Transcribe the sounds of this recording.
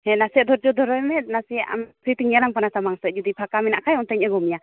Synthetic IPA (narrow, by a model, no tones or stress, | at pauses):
hɛ̃nasɛʔd̪ɔɾd͡ʒɔd̪ɔɾɔjmɛnasijɛa̰mpʰɾit̪iɲɛlaŋpanasamaŋsɛʔ̚ˀd͡ʒɔd̪ipʰakaminaʔkʰajɔnt̪ɛɲɛɡɔmja